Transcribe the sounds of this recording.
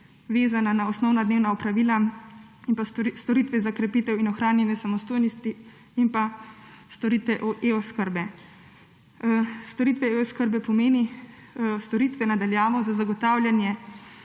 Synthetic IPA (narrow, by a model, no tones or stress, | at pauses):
ʋeːzananaɔsnɔwnad̪neːwnaɔpɾaʋiːlainpast̪ɔɾiːt̪ʋɛzakɾɛpiːt̪ɛwinɔxɾaːnjɛnjɛsamɔst̪oːjnist̪i | impast̪oɾit̪ʋɛʔɔʔeoskəɾbɛ | st̪ɔɾiːt̪ʋɛeoskəɾbɛpɔmeːni | st̪ɔɾiːt̪ʋɛnad̪aljaːʋɔzazaɡɔt̪aːwlʲjanjɛ